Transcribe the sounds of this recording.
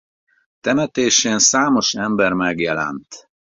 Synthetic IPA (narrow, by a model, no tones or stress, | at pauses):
t̪ɛmɛt̪eːʃensaːmo̞ʃɛmbɛrmɛɡjɛlɛ̰nt̪